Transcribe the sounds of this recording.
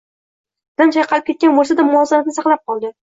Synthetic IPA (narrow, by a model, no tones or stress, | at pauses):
d̪ant͡ʃʰajqʰɑlˠɪp̚kʰʲe̞t̪kʲanbolˠsad̪amʊɒzamat̪nɪsɑqlˠap̚qʰɒlˠɡʲan